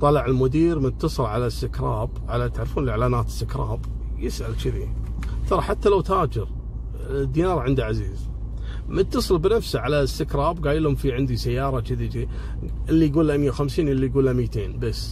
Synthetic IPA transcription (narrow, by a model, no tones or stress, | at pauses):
t̪ˤɑlɑʕɪlmʊd̪iːɾmɪt̪ːɑsˤɨlʕalasɪkɾˤɑːbʕalat̪aʕɾfuːnəlʕlaːnaːt̪ɪ̥st̪ɪkɾˤɑ̰ːb | jɪsʔa̰lt͡ʃɪðḭt̪ɑɾˤɑħat̪ːalawt̪aːd͡ʒɪɾ | d̪ːiːnɑːɾˤʕɪnd̪iʕaziːz | mt̪ːɑsˤɨlbɪnafsaʕalasːɪkɾˤɑːbɡaːjɪlhʊmfiʕɪnd̪isajːɑːɾˤɑt͡ʃɪðid͡ʒi | ʔɪlːijɡuːlamjːawxamsiːnʔɪlːijɡuːlamiːt̪eːnbasː